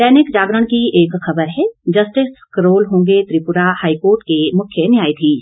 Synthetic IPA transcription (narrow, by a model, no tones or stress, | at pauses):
ʈɛːnɪkd͡ʒaːɡɾəɽ̃kieːkxɐbəɾɦɛd͡ʒɐsʈɪskəɾoːlɦõːŋ̆ɡet̪ɾipʊɾahaːikoːɾʈkemʊkʰjenjaːjt̪ʰiː